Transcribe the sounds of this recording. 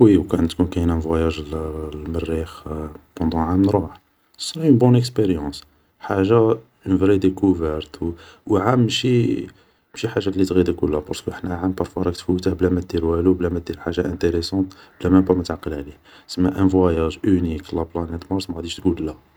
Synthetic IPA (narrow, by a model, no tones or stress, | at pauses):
wiwkæʔənt̪kunkæjnæ̃vwæjæʒllmərːixpɑ̃d̪ɑ̃ʕamənɾˤuħ | sˤɾnbunəkspeɾjɑ̃s | ħaʒa | nvɾed̪ekuvɛɾt̪wwʕamːʃi | mʃiħaʒːalːit̪ɣid̪ækulːæpɑ̰ɾˤskəʔəħnæʕampɑɾˤfwaɾˤɑkt̪fuːt̪æhblæmæt̪̚d̪iɾwælublæmæt̪̚d̪ilħaʒaʔæ̃nt̪eɾesɑ̃t̪blæmæmbæmət̪ʕaqːəlʕli | səmːæʔæ̃vwæjæʒʔyniklæplænæt̪mɑɾˤsmæɣæd̪iʃt̪ɡullæ